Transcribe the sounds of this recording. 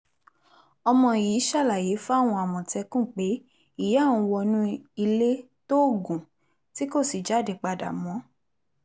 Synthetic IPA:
ɔ˧mɔ̃˧˨jiː˨˦ʃa˦˨la˨je˨˦fu˦a˦˨w̃ɔ̃˧a˨mɔ̃˨tɛ˧kũ˦˨k͡pe˨˦ | i˦˨ja˦˨ũ˧wɔ˧nũ˦i˧le˦ | to˦˨ɡũ˨ | ti˦ko˦˨si˨d͡ʒa˨˦˨de˨k͡pa˧da̰˨mɔ̃˨˦

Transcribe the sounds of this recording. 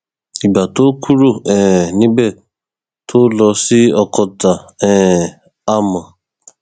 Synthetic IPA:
i˨ba˨to˦kʰu˦ɾu˦˨ɛ̃ː˨nĩ˦bɛ˦˨ | tʰo˦lɔ˧si˦ɔ˧kɔ˧ta˨ɛ˦˨ | a˦˨mã˨

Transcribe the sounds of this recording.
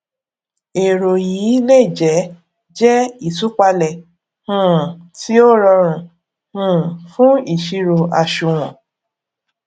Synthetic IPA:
e˨ɾo˨jiː˨˦le˦˨d͡ʒɛ˨˦ | d͡ʒɛ˦i˦˨tu˦k͡pa˧lɛ˨ | hũ˦˨ti˦o˦ɾɔ˧ɾ̃ũ˨ | hũ˦˨fũ˦i˦˨ʃi˧ɾo˧ʔa˨ʃu˨w̃ɔ̃˨

